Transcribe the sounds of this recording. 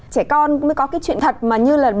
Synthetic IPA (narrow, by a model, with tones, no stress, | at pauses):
t͡ɕɛ˧˩kɔ˧naə˨˦jkɔ˨˦kaː˨˦jt͡ɕwḭ˧˨nt̪ʰə˨˩t̚maː˨˩ɲɨ˧laː˨˩ɓ